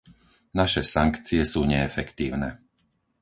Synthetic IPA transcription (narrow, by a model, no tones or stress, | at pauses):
naʃɛsaŋkt͡siɛsuːɲɛːfɛkt̪iːʊnɛ